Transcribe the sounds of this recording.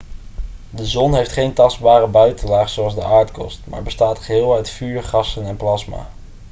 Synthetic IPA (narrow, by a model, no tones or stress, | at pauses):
dəzɔnɦejftχejntɑsdbaːrəbœɥtənlaːχsowɑlˠzdəʔaːɹtkɔ̰stma̰ːɹbəstaːtχəɦɪːlˠœɥtfyːɹχɑsənɛnplɑsma̰ː